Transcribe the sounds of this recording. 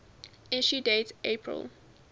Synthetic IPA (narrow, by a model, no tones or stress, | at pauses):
ɛʃudetʔepʰɹə̰lˠ